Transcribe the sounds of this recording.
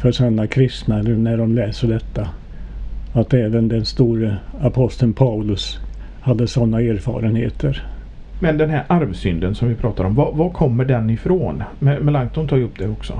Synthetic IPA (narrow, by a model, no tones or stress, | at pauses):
fœʂanːakʰɾɪst̪naɛlənæɖɔmlɛːsəɖɛt̪ːa | at̪ɛːvənd̪ɛnst̪uːɾəapʰɔst̪ənpʰaʊlɵs | had̪ːəsɔnːaeːɾfɑ̰ːɾənhḛːt̪ʰəɾ | mɛnd̪ɛnɦæɾʔaɾvsʏnd̪ənsɔmvɪpʰɾɑːt̪aɾɔmvavakʰɔmːəɖɛnːɪfɾoːnmɛmɛlaŋt̪ʊnt̪ʰɑːjɵpːd̪ɛɔksɔ̰